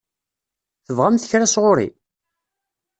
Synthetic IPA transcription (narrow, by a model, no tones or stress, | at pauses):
θəvʁamθə̥çɾasʁʊɾḭ